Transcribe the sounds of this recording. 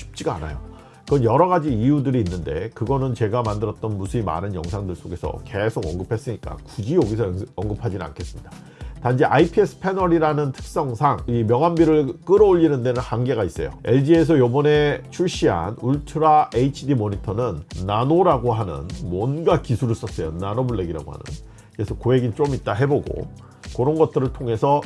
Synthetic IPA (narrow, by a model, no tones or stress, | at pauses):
ɕʰi̥p̚t͡ɕ͈iɡaa̰na̰jo̰ | kɯʌnjʌɾʌɣad͡ʑiːjudɯɾiːnːɯnde̞̰kɯɡʌnɯnt͡ɕe̞ɡamandɯɾʌt̚t͈ʌnmusʰɯima̰nɯnjʌ̰ŋsʰaŋdɯɭs͈oɡe̞sʰʌ̰ke̞sʰoɡʌ̰ŋɡɯpʰe̞s͈ɯɲik͈a̰kud͡ʑioɡisʰʌʌŋɡɯpʰad͡ʑinna̰nkʰe̞s͈ɯmɲida | tand͡ʑʰiʔaipʰies͈ʰɯ̥pʰe̞nʌɾiɾanɯntʰɯ̥k̚s͈ʌŋsʰaŋimjʌŋɦambiɾɯɭk͈ɯɾʌoʎːinɯnde̞nɯnhaŋɡe̞ɡais͈ʌjo̰e̞ɭd͡ʑie̞s̬ʰʌjobʌne̞t͡ɕʰuɭɕ͈iɦa̰nuɭtʰɯɾaʔeit͡ɕʰidimoɲitʰʌnɯnːanoɾaɡoɦanɯ̰nmwʌnɡakisʰuɾɯs͈ʌs͈ʌjonanobuɭːe̞ɡiɾa̰ɡo̰ha̰nɯ̰n | ɾesʰʌkoe̞ɡint͡ɕ͈omit̚t͈aɦe̞boɡo̰ | kʌɾʌnɡʌt̚t͈ɯɾɯɭtʰoŋe̞sʰʌ